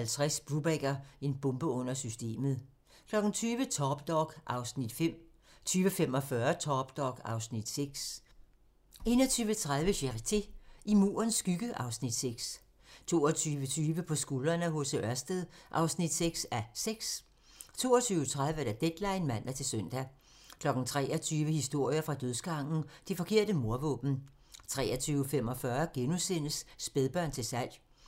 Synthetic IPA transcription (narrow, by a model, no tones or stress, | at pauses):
ælt͡sʰʁɛsb̥ʁub̥eɡ̥ɐe̝nb̥ɔ̽mb̥əɔ̽n̰ɐsysd̥e̝̰ːmð̩ˠ | kʰlɒ̽ɡ̥ŋ̩t͡sʰyːʋət͡sʰɒːb̥d̥ɒɡ̥ʔɑ̈ʊsnid̥fem̰ | t͡sʰyːʋəfemɒ̽fɶɐt͡sʰɒːb̥d̥ɒɡ̥ɑ̈ʊsnid̥seɡ̥s | e̝̰ːnɐt͡sʰyːʋət͡sʰʁað̞ˠʋəɕæʁit͡sʰe̝imṵːɐnsːɡ̥yɡ̥əʔɑ̈ʊsnid̥seɡ̥s | t͡sʰo̝ːɒt͡sʰyːʋət͡sʰyːʋəpʰɒ̽sɡ̥ulɐnəɦosəʔɶɐsd̥əðˠʔɑ̈ʊsnid̥seɡ̥sæseɡ̥s | t͡sʰo̝̰ːɒt͡sʰyːʊət͡sʰʁaðˠʋəd̥æd̥ed̥lɑ̈ɪnmæn̰dæt͡sʰe̝lsøn̰d̥æ | kʰlɒ̽ɡ̥n̩t͡sʰʁɛ̰ːɒt͡sʰyːʋəhisd̥o̝ɐ̰jɐfʁɑ̈d̥øðˠsɡ̥ɑ̈ŋ̰n̩d̥efɒ̽kʰe̝ɐ̰d̥əmo̝ɐʋɔ̰̽ːb̥n̩ | t͡sʰʁɛːɐt͡sʰyːʊfemɒ̽fɶɐɡ̥enusen̰əsːb̥eðˠb̥ɶɐnt͡sʰe̝sæl̰j